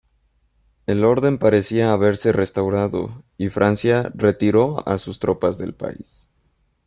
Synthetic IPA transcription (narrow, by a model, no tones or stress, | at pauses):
e̞lo̞ɾðe̞mpaɾe̞siaːβe̞ɾse̞re̞st̪awɾaðo̞̰ifɾʔansjare̞t̪iɾo̞a̰sust̪ɾo̞pazðe̞̰lpa̰ḭs